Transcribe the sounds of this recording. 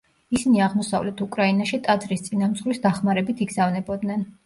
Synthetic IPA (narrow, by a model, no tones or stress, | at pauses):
isiniaʁmɔsa̰vlɛt̪ʰukʼɾainaʃit̪ʼad̪zɾist̪sʼinamt̪zʼʁwisd̪aχmaɾɛbit̪ʰiɡzavnɛbɔd̪nɛn